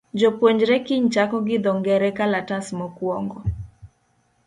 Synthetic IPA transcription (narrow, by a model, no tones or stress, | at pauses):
d͡ʒɔpwɔɲd͡ʒɾɛkiɲt͡ʃakɔɡɪd̪ɔŋɡɛɾɛkalatasmɔkwɔŋɡɔ